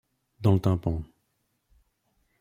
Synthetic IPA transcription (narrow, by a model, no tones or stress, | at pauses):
d̪ɑ̃lət̪ãpɑ̃